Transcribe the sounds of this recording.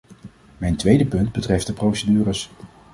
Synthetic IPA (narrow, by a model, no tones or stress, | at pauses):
mɛjntʋejdəpɵnd̚bətrɛft̚dəprowsədyːrəs